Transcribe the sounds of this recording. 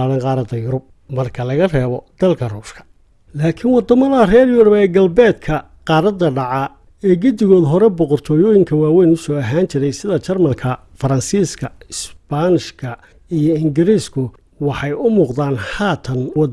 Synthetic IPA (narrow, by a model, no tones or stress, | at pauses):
ɽɐnqɑːɾɐd̪ɐjʊɾʊb̚ | mɐrkʰɐlɐɣɐrɛːβɔd̪̥ɐlkʰɐruːʃkʰɐ̥ | laːkʰɪnwɑd̪ɐmɐðɐrɛːrjʊɾʊbɛːɡɐlbɛːd̪kʰɐ | qɑːɾɐd̪ːɐɖɑʕɑ | ɛːɡʊd̪ɪɣɔːd̪ɦɔɾɛbɔqɔrt̪ʰɔːjɔːjɪŋkʰɐwaːwɛjnʊsɔɐɦaːnt͡ʃʰɪɾɛjsɪðɐt͡ʃɐrmɐlkʰɐ | fɐɾɐnsiːskʰɐɪsbanɪʃkʰɐ | ijɔɪŋɡɪɾiːskʰʊ | wɑħɑjʊmuːqd̪aːnhaːt̪ʰɐnwɑ